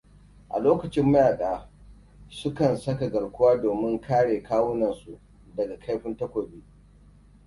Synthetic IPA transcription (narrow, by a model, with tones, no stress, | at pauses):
ʔa̰˨loː˦kɐ˨t͡ʃɪ˦mːɐ˦jaː˨ɗaː˦ | sʊ˦kɐ˨nsɐ˦ka˨ɡɐ˨ɽkʷʊ˦waː˦doː˨mɪ˦ŋkaː˦ɽeː˨kaː˦wʊ˦nɐ˨nsṵ˨ʔ | dɐ˨ɡa˨kʰa˦jɸɪ˦ntɐ˦kʷoː˨biː˦